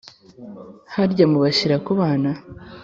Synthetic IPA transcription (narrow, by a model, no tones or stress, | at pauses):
haɾɟamuβaɕiɾakuβaːna